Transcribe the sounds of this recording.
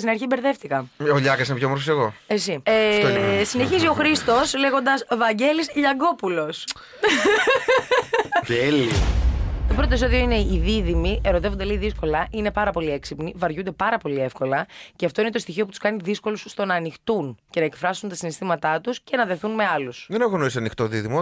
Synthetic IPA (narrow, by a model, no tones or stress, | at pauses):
st̪inɐɾçibeɾðe̞ft̪ikɐoʎɐkɐsinepçoemɾfoseɣo̞esiesine̞çizio̞xɾist̪o̞sle̞ɣo̞nd̪ɐsvɐɲɟe̞lisʎɐɡo̞pulo̞s | t̪eli | t̪o̞pɾo̞t̪oesoðio̞ine̞iðiðimie̞ɾot̪e̞vod̪eleiðisko̞lɐʔine̞pɐɾɐpo̞lieksipnivɐɾʝund̪e̞pɐɾɐpo̞lie̞fko̞lɐceɐft̪o̞ine̞t̪ost̪içio̞put̪u̥skɐniðisko̞lusst̪o̞nɐːnixt̪unce̞nɐekfɾɐsunt̪ɐsinist̪imɐt̪ɐt̪usce̞nɐðe̞θunme̞ɐlusðenɐɣonoisiɐnixt̪oðiðimo